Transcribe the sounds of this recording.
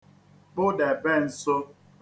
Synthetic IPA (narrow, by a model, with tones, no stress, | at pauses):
bʊ˦dɛ˨bɛ˦˨n̩˨so˦